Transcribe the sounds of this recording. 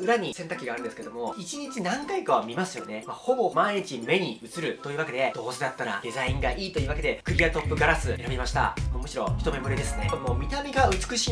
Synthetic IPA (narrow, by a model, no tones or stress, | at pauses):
ɯ̟ɾaɲ̟isẽ̞nt̪akːɯiɡaɾɯ̟̃nd̪sɨ̥ked̪o̞mo̞it͡ɕiɲ̟it͡ɕinãŋkaikaβamʲimasɨjo̞ne̞maho̞bo̞maiit͡ɕime̞ɲ̟iɯ̟t͡sɨɾɯ̟t̪o̞iːβake̞d̪e̞d̪̥o̞ːsed̪at̪ːaɾa̰d̪̥e̞zaĩŋɡaʔiːt̪o̞iːβake̞e̞kɯ̟ɾʲiat̪o̞pːɯ̟ɡaɾasɨe̞ɾabʲimaɕi̥t̪a̰mo̞ːmɯ̟ɕiɾo̞çi̥t̪o̞me̞moɾid̪e̞sɨne̞mo̞ːmʲit̪amʲiɡaɯ̟t͡sɨ̥kɯ̟ɕiː